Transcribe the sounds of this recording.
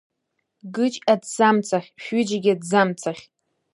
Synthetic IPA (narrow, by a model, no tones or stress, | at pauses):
ɡɨt͡ʃʼadzamt͡sʰaχʲʃʷᶣʏd͡ʒaɡʲadzamt͡sʰaχʲ